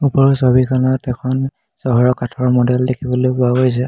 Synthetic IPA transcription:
upɔɹɔsɔbikʰanɔtɛkʰɔn | sɔɦɔɹɔkatʰɔɹmɔdɛldekʰibɔlojkʊaɦojs̬ɛ

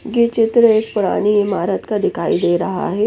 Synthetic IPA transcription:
ɡet͡ʃɪt̪ɾəeːkpʊɾa̰ːñiɪmaːɾət̪kad̪ɪkʰaːid̪eːɾɐɦa̰ɦɛ

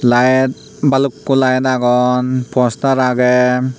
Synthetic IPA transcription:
lajt̚ | balukːulajnaɡɔnpʰɔsnaɾaɡe

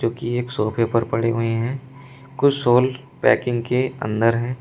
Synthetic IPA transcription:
d͡ʒoːkieːksoːpʰepəɾpɐɽeɦueɦɛ̃ː | kʊt͡ʃʰsoːl | pɛ̰ːkɪ̃ŋɡkeɐ̰̃nd̪əɾɦɛ̃ː

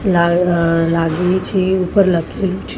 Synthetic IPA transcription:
lalaɡet͡ʃʰiupəɾləkʰelut͡ʃʰ

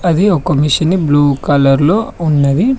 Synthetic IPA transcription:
ɐd̪iɔkɐmiʃɐnːibluːkɐlɐɾloːunːɐd̪i

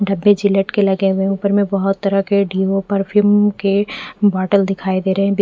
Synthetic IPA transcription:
ɖɐbːed͡ʒɪləʈkelɐɡeɦʊeuːpəɾmẽbɐɦʊt̪ːɐɾəkeɖiːopɐɾpʰjumkebɔːʈəld̪ɪkʰaːid̪eːɾɐɦɛ̃b

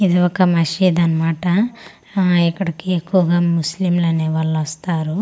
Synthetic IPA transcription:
id̪iɔkːɐmɐʃiːd̪ɐnɐmaːʈɐ | ikːɐɽikiekːuʋɐɡaːmuslimloːneʋɐlːɐʋɐst̪aːɾu

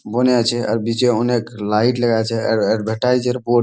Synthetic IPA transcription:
bənet͡ʃʰɛə̰ɾbit͡ʃeoneklaiʈləɡat͡ʃʰɛɾɛɖbʱeʈajd͡ʒəɾbo

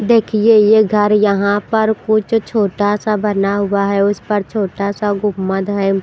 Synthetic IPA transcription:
d̪eːkʰiejeɡʱɐɾjɐɦãpɐɾkʊt͡ʃʰt͡ʃʰoːʈasabɐnaɦʊaɦɛʊspəɾt͡ʃʰoːʈasaɡʊmːəd̪ɦɛː

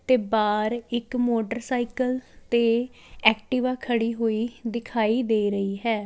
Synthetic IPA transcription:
t̪eːbaːɾɪkmoːʈəɾsaːikəlt̪eː | ɛːkʈɪʋaːkʰəɽiːɦoːiːd̪ɪkʰaːiːd̪eːɾəiːɦɛː

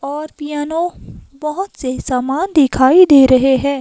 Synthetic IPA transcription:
ɔːɾpɪjaːnõbɐɦʊt̪sesaːmaːnd̪ɪkʰaːid̪eːɾɐɦeɦɛ̃ː

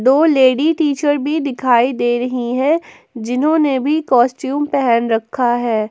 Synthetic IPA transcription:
d̪oːleːɽiʈiːt͡ʃəɾbʱid̪ɪkʰaːid̪eːɾɐɦiɦɛ̃ | d͡ʒɪnɦõːnebʱikɔːsʈjuːmpɛɦɛnɾɐkʰːaɦɛː

